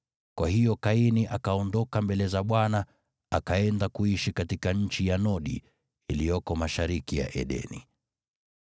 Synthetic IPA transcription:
kwʔahijɔkainiʔakaɔndɔkambɛlɛzaɓwana | akaɛndakuiʃikatikaɲ̩t͡ʃijanɔɗḭ | ilijɔkɔmaʃaɾikija̰ʔɛ̰ɗɛ̰nḭ

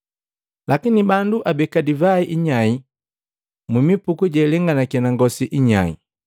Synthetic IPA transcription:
lakinibanduʔabɛkadivaiʔiɲai | mumipukuɟɛlɛŋɡanakɛnaŋɡɔsiʔiɲa̰ḭ

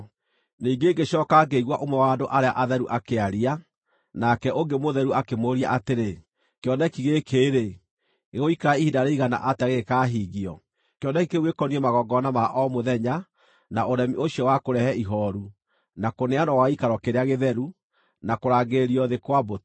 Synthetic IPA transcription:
niːŋɡeːɡeɕɔːkaɡeiɣwaʔomwɛwaːdoʔaɾeaʔaðɛɾuʔakeaɾia | nakɛʔoŋɡemoðɛɾuakemoɾia̰ʔateɾe | kjɔnɛkiɣekʰeːɾe | eɣoikaɾaihidaɾeiɣana̰ʔataɣeɣekaːɦiɣiɔ | keɔnɛkikeɣwekɔniɛmaɣɔɡɔnamaʔɔmoðɛɲa | naoɾɛmioʃiɔwakoɾɛhɛiɦɔɾu | nakoneanɔwaikaɾɔkeɾeaɣeðɛɾu | nakoɾaːɡeɾiɔðekwabot

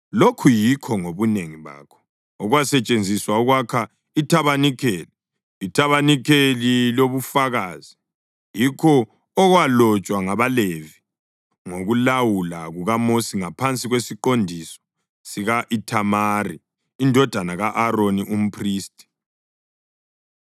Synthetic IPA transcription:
lokʰujikʰɔŋoβuneŋiβa̰ːkʰɔ̥ | ɔɣwasɛt͡ʃʼend͡zʱiswaɔɣwakʰa | itʰaβanikʰeːliː | tʰaβanikʰeliloβufaɣaːzi | jikʰɔː | ɣwalɔt͡ʃʼwaŋaβalevi | ŋoɣulawulaɣuɣamosiŋapʰant͡sʼiɣwesiǃondʱisɔ̥ | siɣaʔitʰamari | indʱɔd̥ʱanaɣaʔaɾoniʔum̩pʰriːstʼi̥

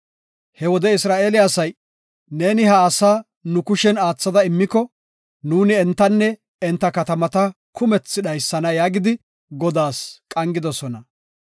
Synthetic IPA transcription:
hɛwɔd̪ɛɪsɾaːʔeːlɪaːsɐj | ne̞ːnɪhɐːsaː | nʊkʊʃɛnaːt͡sːɐd̪ɐɪmːɪkːɔ | nuːnɪɛnt̪ːɐnːɛ | ɛnt̪ːɐkɐt̪ɐmɐt̪ɐ | kʰʊmɛt͡sːɪɗɐjsːɐnɐjaːɡɪd̪ɪ | ɡɔd̪aːskʼɐŋɡɪd̪ɔsɔnɐ

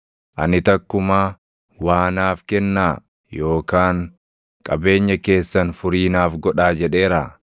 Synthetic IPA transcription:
ʔɐ̰nɪt̪ɐkːʊmaː | waːnaːfkɛnːaː | jo̞ːkaːŋ | kʼɐbe̞ːɲːɐke̞ːsːɐnfʊɾiːnaːfɡɔᶑaːd͡ʒɛᶑe̞ːɾaː

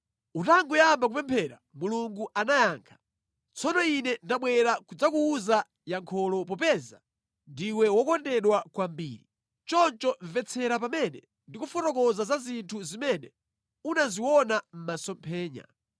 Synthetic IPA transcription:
utaŋɡujambakupɛmpʰɛɾa̰muluŋɡuʔanajaːŋkʰḁ | t͡sʰɔnɔinɛndaɓwɛɾakud͡zakuːza | jaŋkʰɔlɔpɔpɛza̰ | ndiwɛwɔkɔndɛɗwakwambḭːɾi | t͡ʃɔnt͡ʃɔɱvɛt͡sʰɛɾapamɛnɛ | ndikufɔtɔkɔzazazintʰuzimɛnɛ | unaziwɔnam̩masɔmpʰɛːɲa̰

